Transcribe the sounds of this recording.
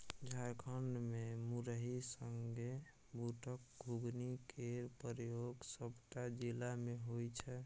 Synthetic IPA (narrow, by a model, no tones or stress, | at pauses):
d͡ʒʱaɾkʰəɳɖmemuɾəɦisəŋɡe | bʱuʈʰək̚ɡʱuɡnikeɾpəɾjoɡsəbʈad͡ʒilameɦojt͡ʃʰɛ